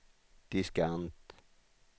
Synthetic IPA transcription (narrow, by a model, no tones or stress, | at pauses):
d̪̥iskant̪